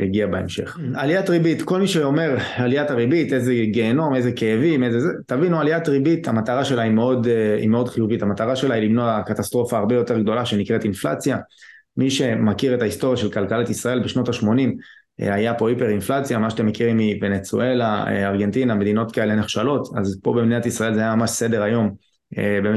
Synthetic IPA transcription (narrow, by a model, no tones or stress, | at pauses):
eɡiabaḛmʃe̞̰χaliatʁibitko̞lmiʃeo̞me̞ʁaliataʁibitezeɡe̞ːno̞ne̞zekeevimezezetavinualiatʁibit̪amat̪aʁaʃe̞laimeo̞d̪ḭme̞o̞d̪χijuvitamat̪aʁaʃe̞lailimnoakatast̪ʁo̞faːʁbe̞jo̞t̪e̞ʁɡd̪o̞laʃe̞nikʁe̞t̪infla̰t͡sja | miʃe̞makiʁe̞taisto̞ʁjaʃe̞lkalkalat̪isʁae̞lbe̞ʃno̞taʃmo̞nim̰ | ajapo̞ipeʁinflat͡sjamaʃat̪emːekiʁimivenet͡sṵe̞laḛaʁɡe̞nt̪iname̞d̪ino̞t̪kae̞lene̞χʃalo̞t̪a̰zpo̞bebniat̪isʁae̞lzeajamamaʃse̞de̞ʁajo̞m | ebe